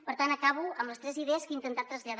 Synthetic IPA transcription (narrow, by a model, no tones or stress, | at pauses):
pəɾt̪anəkaβuəmləst̪ɾɛziðeəskint̪ənt̪at̪ɾəzʎəð